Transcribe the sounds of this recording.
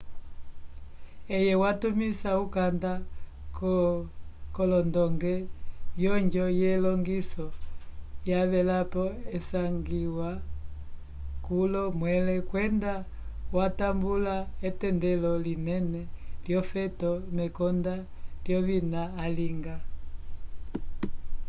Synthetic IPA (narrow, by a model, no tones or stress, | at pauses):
ɛjɛwatumisaukanda | k | kɔlɔndɔŋɡɛβjɔɲd͡ʒɔjɛlɔŋɡisɔ | jaβɛlapɔɛsaŋɡiwa | kulɔmwɛlɛkwɛnda | watambulaɛtɛndɛlɔlinɛnɛljɔfɛtɔmɛkɔnda | ljɔβinaːliŋɡa